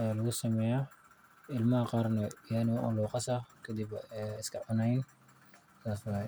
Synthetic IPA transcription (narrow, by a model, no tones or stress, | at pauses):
jalɐɣʊsɐmɛːjaː | ɪlmɐhɐqɑːrnɐjanɪwʔʊ̰luːqɑsɐkʰɐd̪ɪbɛɪskʰɐʕʊnɛjn | saːswa